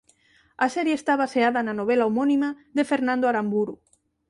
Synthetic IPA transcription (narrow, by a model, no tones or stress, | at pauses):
ɐsɛɾjeːst̪aβaseaðananoβ̞elaomonima | ðefeɾnãnd̪oaɾambuɾu